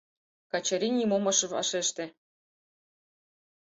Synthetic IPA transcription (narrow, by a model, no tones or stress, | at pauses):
kɑt͡ɕɑɾʲinʲimomɤ̆ʃɤ̆βɑ̰ʃeʃt̪ĕ